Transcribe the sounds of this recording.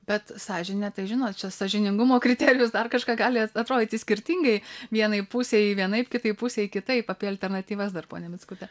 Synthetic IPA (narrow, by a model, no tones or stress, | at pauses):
bʲɛt̪sɑːʒʲɪnʲɛt̪ɐɪʒʲɪnoːt̪̚t͡ʃʲɛsɐʒʲɪnʲɪŋɡʊmoːkɾʲɪt̪ʲɛːɾʲɪjʊsd̪ɐrkɐʃkɑːɡɑːlʲɪɐt̪ɾoːd̪ʲɪt̪ʲɪsʲkʲɪɾʲt̪ʲiŋɡɐɪʋʲiɛnɐɪpusʲeːjɪʋʲiɛnɐɪpkʲɪt̪ɐɪpusʲeːjɪkʲɪt̪ɐɪpɑːpʲiɛɐlʲt̪ʲɛrnɐt̪ʲiːʋɐsd̪ɐrpoːnʲɛmʲɪt͡skʊt̪ʲɛ